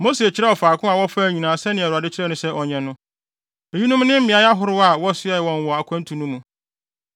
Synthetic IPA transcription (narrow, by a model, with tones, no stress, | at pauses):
mo˦se˨e˨t͡ɕʰɪ˦ɾɛ˦ɔ˨faː˨kʰʊ̃˦a˨wɔ˦fa˦˨ɲĩ˨nãː˨sɛ˦nɪ̃˨ɛ˨ʊ˨a˨dɪ˦t͡ɕʰɪ˦ɾɛ˦nʊ̃˦sɛ˦ʔɔ˨ɲɛ̃˨nʊ̃˦ | e˨ɲĩ˦nũ˦m˦nɪ̃˦m̩˦mɪ̃˨a˨˦ja˦ɦʊ˦ɾʊ˦a˨wɔ˦sʊ˦ɛ˦˨wɔ̃˨n˨wɔ˨a˨kʷʰã˦n̩˦tʰũ˨nũ˦mũ˨